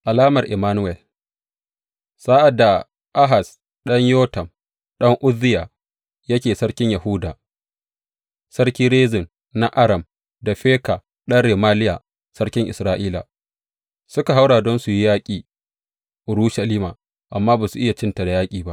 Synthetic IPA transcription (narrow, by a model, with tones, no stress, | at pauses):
ʔa˨laː˦mɐ˨rʔɪ˨maː˦nʊ˦wɛ˨l | saː˦ʔa˨da˨ | ʔa˦ɦa˨s | ɗɐ˦ɲjoː˦tɐ˨m | ɗɐ˦ŋʔʊ˦ðɪ˦jaː˨ | jɐ˦kʲeː˨sɐ˦ɽkʲɪ˦ɲja˨hu˦daː˨ | sɐ˦ɾkʲiː˦ɾeː˦zɪ˨n | na˦ʔa˦ɾɐ˨m | da˨ɸeː˦ka˨ | ɗɐ˦nɽeː˨maː˦lɪ˦ja̰ː˨ | sɐ˦kʲɪ˦ŋʔɪ˨sɾaː˦ʔiː˦la̰˨ | sʊ˦ka˨ɦa˦wɽaː˨dɔ˦nsu˨ji˦jaː˦kʲʼiː˨ | ʔʊ˨ɾuː˦ʃa˨liː˦maː˨ | ʔa˨mːaː˦baː˨su˨ʔɪ˦ja˨t͡ʃɪ˦nta˨da˨jaː˦kʲʼiː˨ba˦ʔ